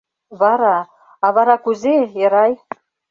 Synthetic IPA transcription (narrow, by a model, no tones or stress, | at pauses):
βɑɾɑ | ɑβɑɾɑkuzeɤ̆ɾɑj